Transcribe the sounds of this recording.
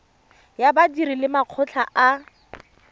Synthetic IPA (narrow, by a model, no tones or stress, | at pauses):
jabadirilɪmaq͡χʰʊt͡ɬʰaʔa